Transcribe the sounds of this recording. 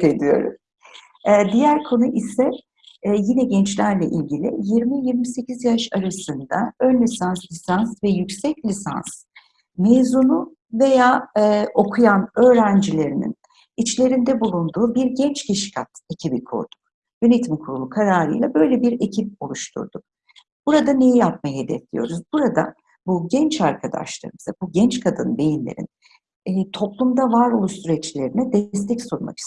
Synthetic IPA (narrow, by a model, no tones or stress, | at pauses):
ed̪ijo̞̰ɾṵmː | d̪ijæɾkʰo̞nuʔisɛ | jinɛɟɛnt͡ʃlʲæɾlʲɛʔilʲɟilʲḭjiɾmijiɾmise̞cizjaʃaɾasɯnd̪a̰ønlʲisanslʲisansvɛjycsɛclʲisa̰ns | meːzunu | ve̞jaːʔo̞kʰujanø̞ːɾænd͡ʒilʲe̞ɾinḭn | it͡ʃlʲe̞ɾind̪ɛbulˠund̪uːbiɾɟɛnt͡ʃcʰiʃi̥kʰat̪ecʰibikʰṵɾd̪̥u̥k | jø̞net̪ʰimkʰuɾulˠukʰaɾaːɾɯ̰jlˠabø̞jlʲebiɾecʰip̚o̞lˠuʃt̪ʰṵɾd̪uk̚ | b̥uɾad̪anejijap̚majɦed̪ɛflʲḭjo̞ɾuzbuɾad̪a̰ | buɟɛnt͡ʃaɾkʰad̪a̰ʃlˠa̰ɾɯmɯzabuɟɛnt͡ʃkʰad̪ɯnbe̞jinlʲḛɾḭnː | t̪ʰo̞plˠumd̪avaɾo̞lˠuʃsyɾɛt͡ʃlʲe̞ɾinɛd̪ɛst̪ʰɛcsoɾma̰ki̥st̪